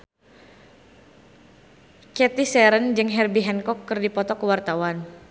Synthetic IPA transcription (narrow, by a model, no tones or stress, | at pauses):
kɛt̪isɛɾənd͡ʒɨŋɦɛrbiɦɛnkɔkːərdipɔt̪ɔkəwart̪awan